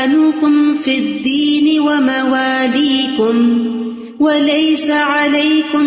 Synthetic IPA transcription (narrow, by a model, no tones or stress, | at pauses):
luːkʊmfid̪ːiːnɪwamawaːliːkʊm | walajsaʕalajkʊ